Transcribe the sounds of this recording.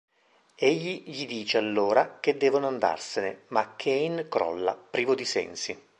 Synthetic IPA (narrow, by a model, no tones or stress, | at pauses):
eʎːiʎid̪iːt͡ʃealːoːɾak̟ed̪ːɛːvonoand̪a̰rsenemakʰːeinkɾɔ̰lːa̰pɾiːvod̪isɛ̰nsi